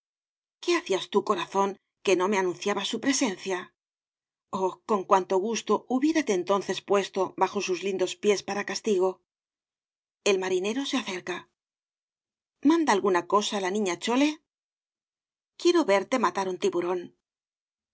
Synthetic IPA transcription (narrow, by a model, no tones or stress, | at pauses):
ke̞aθiast̪uko̞ɾaθo̞ŋ | ke̞no̞me̞anũnθjaβasupɾe̞se̞nθja | oko̞ŋkwant̪o̞ɣ̞ust̪o̞uβje̞ɾat̪eːnt̪o̞nθe̞spwe̞st̪o̞βaxo̞suzlind̪o̞spje̞spaɾakast̪iɣ̞o̞ | e̞lmaɾine̞ɾo̞se̞aθe̞ɾka | mãnd̪aːlɣunako̞saːlanĩɲat͡ʃo̞le̞ | kje̞ɾo̞βe̞ɾt̪e̞mat̪aɾunt̪iβuɾo̞n